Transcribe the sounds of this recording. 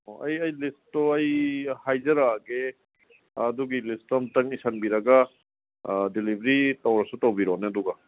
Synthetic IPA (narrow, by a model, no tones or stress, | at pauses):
ɐ̰jɐjlistːoɐjhajzɐɾaɡe | ɐduɡilistɔmtɐŋisʰanbiɾɐɡa | dilibʱɾitɐwɾɐsutowbiɾoneɐduɡa